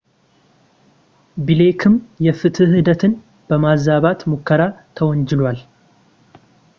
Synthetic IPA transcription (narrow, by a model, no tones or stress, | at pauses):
bilekʰɨmjɛfɨt̪ʰɨhɨd̪ət̪ʰɨn | b̥əmazaβat̪mukʰːəɾat̪ʰəwɔɲd͡ʒɪlwal